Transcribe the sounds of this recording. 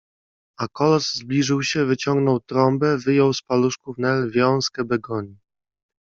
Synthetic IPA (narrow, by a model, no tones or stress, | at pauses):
akɔlɔzzblʲiʐɘwɕɛvɘt͡ɕɔŋɡnɔwt̪ɾɔmbɛvɘjɔwspaluʂkuvnɛlvʲjɔ̃w̃skɛbɛɡɔɲi